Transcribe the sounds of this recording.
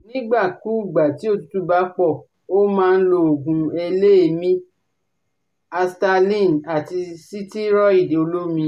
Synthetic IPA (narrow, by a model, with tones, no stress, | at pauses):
nĩ˦ɡ͡ba˦˨ku˦˨ɡ͡ba˨ti˨˦o˦˨tu˦tu˦ba˦k͡pɔ˦˨ | o˦mãː˦˧n̩˦lo˧o˨ɡũ˨˧e˧le˦e˧˨mĩ˦ | a˧sta˧lĩ˦˨na˨ti˧si˦ti˦ɾɔ˦i˦˨de˨o˧lo˦mĩ˧